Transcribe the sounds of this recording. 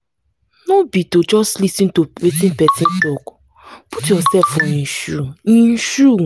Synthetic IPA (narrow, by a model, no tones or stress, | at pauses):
nobitod͡ʒɔstlisĩn̩towetĩn̩pɛtin̩tɔkʊ̥ | putjɔsɛfoɲĩnʃuɲĩn̩ʃu